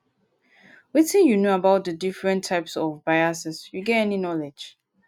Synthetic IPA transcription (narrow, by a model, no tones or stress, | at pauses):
witĩnjunoabaʊt̚dədifɹɛ̃ntʰaɪpsɔvbaɪasɪsjuɡɛtɛninɔlɛ̥d͡ʒ